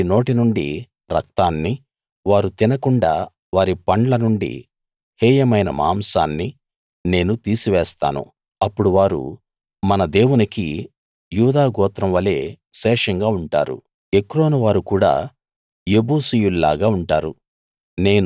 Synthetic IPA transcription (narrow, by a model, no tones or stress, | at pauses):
ino̞ːʈinuɳɖḭ | ɾɐ̰k̚t̪aːnːi | ʋaːɾut̪inɐkuɳɖa̰ː | ʋaːɾipɐɳlɐnuɳɖḭ | hɛːjɐmɐjnɐ̰ma̰ːmsaːnːi | ne̞ːnut̪iːsiʋɛːst̪a̰ːnṵ | ɐpːuɽuʋaːɾṵ | mɐnɐd̪e̞ːwunikḭ | juːd̪aːɡɔːt̪ɾɐmʋɐle̞ːʃɛːʂɐŋɡaːuɳʈaːɾṵ | ekɾo̞ːnuʋaːɾukuːɽa̰ː | jeboːsijulla̰ːɡaːuɳʈaːɾṵ | ne̞ːnu